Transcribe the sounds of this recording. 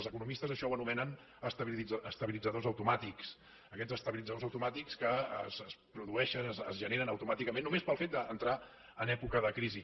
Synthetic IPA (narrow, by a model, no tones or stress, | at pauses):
zəkunumist̪əzəʃɔwənumɛnən | əst̪əβid͡zəst̪əβilid͡zəðozəwt̪umat̪iks | əkɛd͡zəst̪əβilid͡zəðozəwt̪umat̪ikskəə̰səspɾuðuɛʃənəzəzʒəneɾənəwt̪umat̪ikəmẽnːumespəlˠfet̪̚d̪əːnt̪ɾa | ənɛpukəðəkɾizi